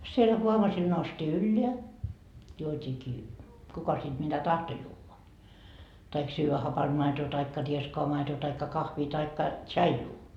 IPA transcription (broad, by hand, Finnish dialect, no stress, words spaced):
sielʲ huoʋɑsil noustiː ylːeæ juotʲiːkiː kukɑ sit mitæ tɑhto juːʋɑ tɑik syːʋæ hɑpɑnd̥ mɑetoː tɑikːɑ rieskoɑ mɑetoː tɑikːɑ kɑhʋiː tɑikːɑ tsɑijuː